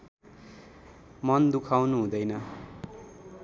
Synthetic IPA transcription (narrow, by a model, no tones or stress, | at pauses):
mʌnd̪ukʰawnuɦũd̪ʌjnʌ